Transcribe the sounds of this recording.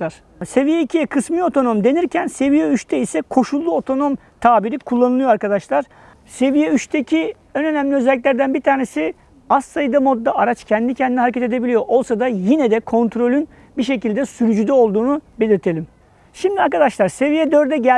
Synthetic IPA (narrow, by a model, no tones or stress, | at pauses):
ɾ̥ | se̞vijeicʰijɛkʰɯsmɯo̞t̪ʰo̞no̞md̪e̞niɾcʰænse̞vijɛyʃt̪ʰɛisɛkʰo̞ʃulˠːuot̪ʰo̞no̞m | t̪ʰaːbiɾikʰulˠːanɯlˠɯjoaɾkad̪aʃlˠaɾ̥ | se̞vijɛyʃt̪ʰecʰi | ønø̞næmlʲiøzɛlʲːic̬lʲæɾd̪ænbiɾt̪ʰaːne̞si | asːajɯd̪amo̞d̪ːaaɾat͡ʃcʰɛnd̪inicʰɛnd̪inhɦaɾecʰɛt̪ʰe̞d̪e̞bilʲijo̞ʔo̞lˠsad̪ajinɛd̪ɛkʰo̞nt̪ʰɾo̞lʲyn | biʃe̞cilʲd̪ɛsyɾyd͡ʒyd̪ɛo̞lˠd̪uːnube̞lʲiɾt̪ʰe̞lʲim | ʃimd̪iaɾkad̪aʃlˠaɾse̞vijɛd̪øɾd̪ɛɟæ